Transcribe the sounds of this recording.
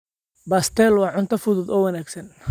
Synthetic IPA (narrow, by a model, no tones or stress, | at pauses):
baːst̪ʰɛlwɑʕʊnt̪ʰɐfʊðʊd̪ɔːwɐnaːɡsɐn